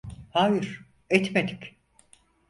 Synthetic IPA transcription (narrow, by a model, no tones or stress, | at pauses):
haːjiɾ̥ | ɛt̪med̪i̥kʲ